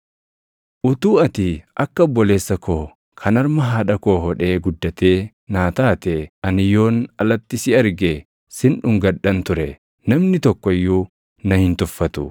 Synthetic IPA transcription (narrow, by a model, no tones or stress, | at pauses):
ʔʊt̪uːɐt̪iʔɐkːɐɔbːɔle̞ːsːɐkʰoː | kʰɐnɐɾmɐɦaːᶑɐkoːɦɔᶑe̞ːɡʊd̪ːɐt̪e̞ː | naːt̪aːt̪eʔɐnɪjo̞ːnɐlɐt̪ːɪsɪɐɾɡe | sɪnᶑʊŋɡɐᶑɐnt̪ʊɾɛ | nɐmnɪt̪ɔkːɔɪjːuː | nɐhɪnt̪ʊfːɐt̪ʊ